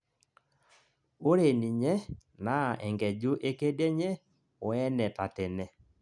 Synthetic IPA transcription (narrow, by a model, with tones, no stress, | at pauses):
o˦ɾe˨ni˨ɲɛ˦na˨˦˨ɛ˨ŋɡɛ˨d͡ʒu˦ʔe˦ke˦dɛ˦ɲɛ˦ | o˨ɛ˦nɛ˨ta˨tɛ˨nɛ˨